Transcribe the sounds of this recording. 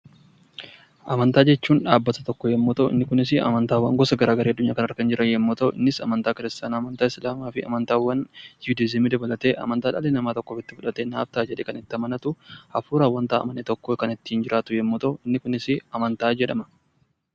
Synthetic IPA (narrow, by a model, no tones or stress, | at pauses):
ʔɐmɐnt̪aːd͡ʒɛt͡ʃːuːnᶑaːbːɐt̪ɐt̪ɔkːɔjɛmːɔt̪ɐɪ̰nːɪkʊnɪs̬ɪɐ̰mɐnt̪aːwːɐŋɡɔsɐɡɐɾaːɡɐɾeɐd̪ːʊɲːaːkɐnɐɾkɐnd͡ʒɪɾʔɐnjɛmːɔt̪ɐʔɪ̰nːɪsɐ̰mɐnt̪aːkɪɾɪst̪aːnaːmɐnt̪aːɪslaːmaːfɪɐ̰mɐnt̪aːwːɐnjud̪ɪzɛmiːd̪ɐbɐlɐt̪eːʔɐ̰mɐnt̪aːᶑɐlenɐmaːt̪ɔkːoːfɪt̪ːɪfʊᶑɐt̪eːna̰ːbt̪aːd͡ʒɛᶑeːkɐnɪt̪ːɪɐmɐnɐt̪ʊhɐfuːɾaːwːɐnt̪aːɐ̰mɐnːet̪ɔkːoːkɐnɪt̪ːɪhɪnd͡ʒɪɾʔaːt̪ʊjɛmːɔt̪ɐɪnːɪkʊnɪsɪɐmɐnt̪aːd͡ʒɛᶑɐmɐ̥